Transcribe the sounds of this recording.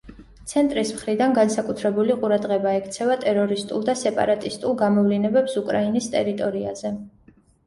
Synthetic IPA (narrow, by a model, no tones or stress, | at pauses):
t̪sʰɛnt̪ʼɾismχɾid̪anɡansakʼut̪ʰɾɛbuliqʼuɾad̪ʁɛbaɛkʰt̪sʰɛvat̪ʼɛɾɔɾist̪ʼṵlˠd̪asɛpʼa̰ɾat̪ʼist̪ʼulˠɡamɔvlinɛbɛpsukʼɾainist̪ʼɛɾit̪ʼɔɾia̰zɛ